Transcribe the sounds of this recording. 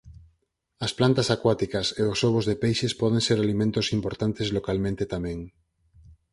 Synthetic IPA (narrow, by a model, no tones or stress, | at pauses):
ɐsplant̪asakwat̪ikaseosoβ̞ozðepejʃespɔð̞ẽŋseɾalimẽnt̪osimpoɾt̪ant̪ezlokalmẽnt̪et̪amẽŋ